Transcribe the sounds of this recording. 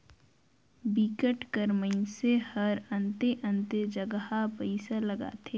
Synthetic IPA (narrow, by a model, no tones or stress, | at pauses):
bikəʈkəɾməisehəɾə̃nt̪eʔə̃nt̪ed͡ʒəɡhapəɪsaləɡa̰ːt̪ʰe